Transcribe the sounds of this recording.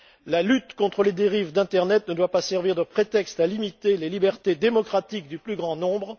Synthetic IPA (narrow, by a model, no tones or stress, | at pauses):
lalyt̪kɔ̃t̪χəled̪eʁivd̪ɛ̃t̪ɛʁnɛt̪nəd̪wapasɛʁviʁd̪əpχet̪ɛkst̪alimit̪elelibɛʁt̪ed̪emɔkχat̪ik̚d̪yplyɡʁɑ̃nɔ̃bʁ